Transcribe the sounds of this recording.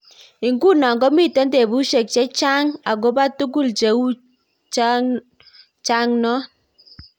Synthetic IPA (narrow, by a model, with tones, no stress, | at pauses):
i˨ŋɡu˦na˨ŋɡɔ˦mi˦˨te˨˦nde˨bu˦ʃe˨k̚t͡ʃe˦t͡ʃa˦ŋa˨ɡo˦ba˦tu˦ɡ̬u˦˨lt͡ʃe˨u˦ | t͡ʃa˦ | t͡ʃa˦ŋnɔ˦